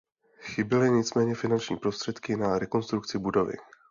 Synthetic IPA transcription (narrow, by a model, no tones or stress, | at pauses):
xɪbɪlɪɲɪt͡smɛːɲɛfɪnant͡ʃɲḭːpɾo̞st̪r̥ɛt̪kɪnaɾɛko̞nst̪ɾukt͡sɪbudo̞vɪ̰